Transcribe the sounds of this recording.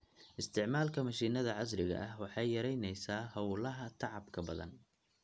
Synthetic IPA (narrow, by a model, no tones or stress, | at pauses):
ʔɪst̪ʰɪʕmaːlkʰɐmɐʃiːnɐðɐʕɑsɾɪɣɐ̰ʔɐhwɑħɑjːɐɾɛjnɛjsaːhɐwʊlɐɦɐt̪ʰɑʕɑbkʰɐbɐðɐ̰n